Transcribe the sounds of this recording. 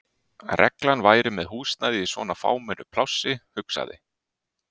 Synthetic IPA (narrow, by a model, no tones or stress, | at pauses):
arʔɛ̰klanvaːjɾɪmɛðhuːst̪naðɪisvɔ̰ːnafa̰ːwmɛnʏpʰlawsːɪhʏksa̰ðɪ̰